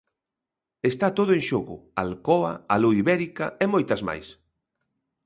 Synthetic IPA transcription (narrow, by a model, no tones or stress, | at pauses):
est̪at̪oðʊẽŋʃoɣʊ̰alkɔɐ̰aluiβɛɾikɐemojt̪ɐzma̰js